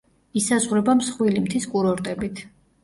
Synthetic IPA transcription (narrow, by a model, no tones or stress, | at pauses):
isazʁɾɛbamsχwilimt̪ʰiskʼuɾɔɾt̪ʼɛbit̪ʰ